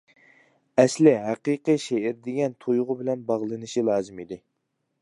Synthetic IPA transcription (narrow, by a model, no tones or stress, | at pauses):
ɛslɪɦæqiqɨʃeɪɾd̪ɪɡʲɛnt̪ʰojʊʁʊbɪlɛnbɑʁlˠɨnɨʃilˠɑːzɨmid̪ɪ